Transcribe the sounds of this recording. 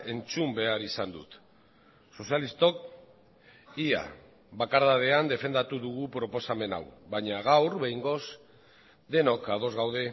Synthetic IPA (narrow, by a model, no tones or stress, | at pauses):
e̞nt͡sumbe̞aɾisand̪ut̪ | so̞sialist̪o̞k | ia̰ | βakaɾðað̞e̞and̪e̞fe̞nd̪at̪uðuɣ̞upɾo̞po̞same̞na̰wβaɲaɣawɾβejŋɡo̞s | d̪e̞no̞kað̞o̞zɣawðe̞